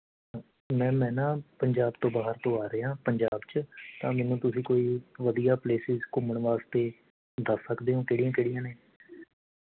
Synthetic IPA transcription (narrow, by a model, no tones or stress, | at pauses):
mɛ̃ːmɛ̃ːnãːpəɲd͡ʒaːbt̪õːbaːɦəɾt̪õːaːɾeãːpəɲd͡ʒaːbt͡ʃt̪ãːmɛ̃ːnũːt̪ʊsĩːkoːiːʋəd̪ijaːpleːsɪzkʊməɳʋaːst̪eː | d̪əsːəkd̪eːɦõːkeːɽijãːkeːɽijãːneː